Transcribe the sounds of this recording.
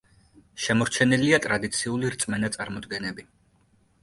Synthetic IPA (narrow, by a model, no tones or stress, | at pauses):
ʃɛmɔɾt͡ʃʰɛniliat̪ʼɾad̪it̪sʰiuliɾt̪sʼmɛnat̪sʼaɾmɔd̪ɡɛnɛbi